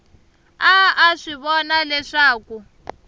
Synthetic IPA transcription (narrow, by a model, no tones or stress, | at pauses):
aaʂiβɔnalɛʂaːku